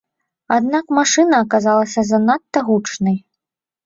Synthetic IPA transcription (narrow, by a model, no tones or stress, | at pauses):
ad̪nakmaʂɨnɐːkazalˠɐsʲɐzanat̪ːɐɣut͡ʂnɐj